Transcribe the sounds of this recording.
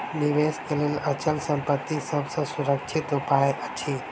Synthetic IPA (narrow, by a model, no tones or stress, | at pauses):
nɪʋeːskelelɐt͡ʃəlsə̃mpət̪ːisəbsə̃sʊɾəkt͡ʃʰɪt̪ɦupaːeʔət͡ʃʰi